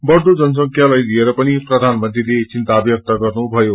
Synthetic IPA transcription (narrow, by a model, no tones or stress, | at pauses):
bʌrd̪ʱud͡zʌnʌs̬ʌŋkʰjalajlieɾʌpʌniprʌd̪ʱanmʌnt̪rilet͡sint̪abjʌk̚t̪aɡʌrnubʱʌjo